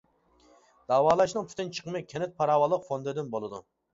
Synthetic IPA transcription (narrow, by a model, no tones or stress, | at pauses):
d̪̥ɑːwɑːlˠɑʃnɨŋp̪ʰy̥t̪ɪnt͡ʃʰə̥qəmɨkʲʰɛnɪt̪̚pʰɑɾɑːwɑlˠːəqfond̪ɨd̪ɪnbolˠɨd̪ṵ